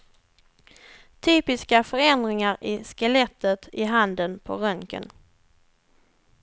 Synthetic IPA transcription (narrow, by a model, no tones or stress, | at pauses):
t̪ʰyːpɪskafœɾɛnd̪ɾɪŋaɾɪskəlɛt̪ʰːət̪ɪɦand̪ənpʰɔɾœŋkə̰n